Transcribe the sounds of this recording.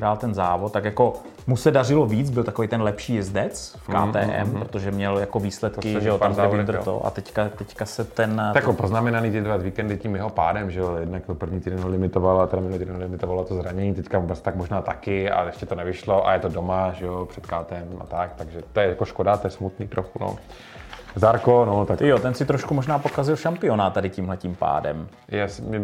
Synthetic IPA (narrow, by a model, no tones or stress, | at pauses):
ɾaːlt̪ɛnzaːvot̪̚t̪ːakjako̞ | musɛdarɪloviːt͡sbɪlt̪akovejt̪ɛnlɛpʃiːjɪzdɛt͡sfka̰ːt̪ɛ̰ːʔɛ̰mppɾot̪oʒɛmɲɛljako̞viːslɛt̪kɪʒɛotamɪd̪ɾt̪o̰ʔa̰t̪ɛckat̪ɛckasɛt̪ɛnjakopoznamɛnaniːt̪ɪdɾvazviːkɛndɪciːmjɛɦopa̰ːdɛmʒɛojɛdnakopr̩vɲiːt̪iːdɛnɦolɪmɪt̪ovalt̪ɛɾamɪnut̪iɛdɛnlɪmɪt̪ovalot̪ozɾaɲɛɲiːt̪ɛckaubɛst̪akmoʒnaːt̪akɪa̰ɛʃcɛt̪onɛvɪʃlo̞ʔa̰jɛt̪odomaʒɛjopr̝̥ɛt̪kaːt̪ɛma̰t̪akt̪aɡʒɛt̪ojɛjakoʃkodat̪ojɛsmut̪niːt̪ɾoxuno̰ | zaɾkonot̪akjot̪ɛnsɪt̪ɾoʃkumoʒnaːpo̞kazɪlʃampɪo̞nat̪t̪adɪcimɦlɛcimpa̰ːdɛ̰m | jaːsmɛ